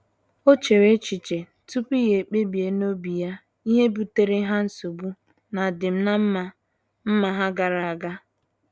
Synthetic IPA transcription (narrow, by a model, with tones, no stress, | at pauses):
o˦t͡ʃe˨ɾe˦t͡ʃi˨t͡ʃe˨ | tu˦pi˦ɣe˨k͡pe˦bi˨e˨no˦bi˨ja˦ | i˦ɦe˦bu˨te˨ɾe˦ɦa˦n̩˦so˨bu˦ | na˨dɪ˨m̩˦na˦m̩˦ma˨ | m̩˦ma˨ɦa˦ɡa˨ɾa˨a˨ɡa˦